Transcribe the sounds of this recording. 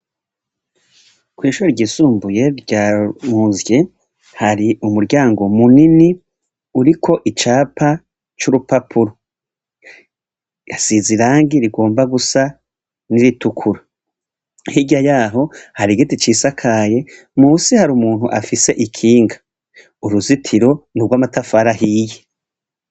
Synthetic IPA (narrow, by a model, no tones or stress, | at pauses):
kwiːʃuɾoɾɟiːsuːmbuje̞ɾɟaːmuːnzje̞ | haɾiumuɾɟaːŋɡo̞munini | uɾikʰo̞ʔit͡ʃaːpa | t͡ʃuɾupapʰuɾo | asiziɾaːŋɡiɾiɡo̞ːmbaɡusa | niɾitukʰuɾa | hiɟajaːɦo̞haɾiɡitit͡ʃiːsakʰaːje̞ | muːsihaɾumuːn̥huʔa̰fise̞ʔikʰiːŋɡḁ | uɾuzitʰiɾo̞nuɾɡwaːmatafaɾaɦiːje